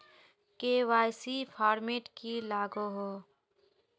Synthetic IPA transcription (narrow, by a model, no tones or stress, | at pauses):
keːʋaːjsipʰaːɾmeːʈkilaːɡoɦoː